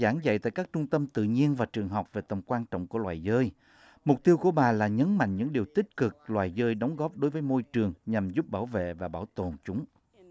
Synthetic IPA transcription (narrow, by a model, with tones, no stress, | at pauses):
zaː˧˩˦nzə̰˧˨jt̪a̰ː˧˨jkaː˦˥k̚t͡ɕʊ˧ŋ͡mt̪ə˧mt̪ɨ̰˧˨ɲi˧ənvaː˨˩t͡ɕɨ˨˩əŋɦa˨˩wk͡p̚ve˨˩t̪ə˨˩mkwaː˧nt͡ɕɔ̰˧˨wŋ͡mku˧˩əlwaː˨˩jzəː˧j | mʊ˨˩k͡p̚t̪i˧əwku˧˩əɓaː˨˩laː˨˩ɲə˨˦nma̰˧˨ŋ̟ɲɨ̰˧˥ŋɗi˨˩əwt̪ï˦˥k̚kɨ˨˩k̚lwaː˨˩jzəː˧jɗɔ˨˦wŋ͡mɣɔ˦˥p̚ɗo˨˦jvəː˨˦jmo˧jt͡ɕɨ˨˩əŋɲa˨˩mzu˦˥p̚ɓaː˧˩wvḛ˧˨vaː˨˩ɓaː˧˩wt̪o˨˩nt͡ɕʊ˨˦ŋ͡m